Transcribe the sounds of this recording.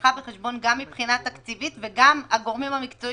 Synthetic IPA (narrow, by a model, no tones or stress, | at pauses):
abeχeʃbo̞nɡamːipχinat̪akt͡sivit̪veɡamaɡo̞ʁmimhamikt͡so̞